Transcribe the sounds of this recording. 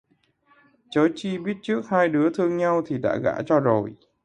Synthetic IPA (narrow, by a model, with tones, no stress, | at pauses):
t͡ɕo˨˦t͡ɕi˧ɓi˦˥ət̚t͡ɕɨ˦˥ək̚haː˧jɗɨ˨˦ət̪ʰɨ˧əŋɲa˧wt̪ʰi˨˩ɗa̰ː˧˥ɣa̰ː˧˥t͡ɕɔ˧zo˨˩j